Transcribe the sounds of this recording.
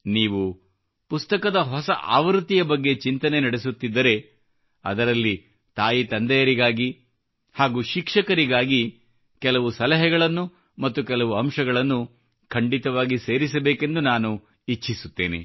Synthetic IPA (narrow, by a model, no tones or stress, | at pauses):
niːʋu | pust̪ɐkɐd̪ɐɦɔsɐʔa̰ːʋɾt̪ːijɐbɐɡːe̞t͡ʃint̪ɐnenɐɽesut̪ːid̪ːɐɾe̞ | ɐ̰d̪ɐɾɐlːi | t̪aːjit̪ɐnd̪ɐjɐɾiɡaːɡi | haːɡuːʃikʂɐkɐɾiɡaːɡi | kɛlɐʋusɐlɐɦɛɡɐɭɐnːu | mɐt̪ːukɛlɐʋuɐmʃɐɡɐɭɐnːu | kʰɐɳɖit̪ɐʋaːɡise̞ːɾisɐbeːke̞nd̪unaːnu | it͡ʃːisut̪ːeːnḛ